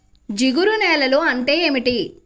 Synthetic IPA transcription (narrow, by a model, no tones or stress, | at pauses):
d͡ʒiɡuɾunɛːlɐluɐɳʈe̞ːeːmiʈi